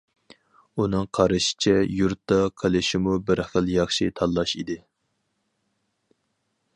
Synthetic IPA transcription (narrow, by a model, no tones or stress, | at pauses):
unɨŋqʰɑɾɨʃɪ̥t͡ʃʰɛjuɾt̪ːɑqʰelɪʃɪmubɪɾχəlˠjɑχʃit̪ʰɑlˠːɑʃid̪ɪ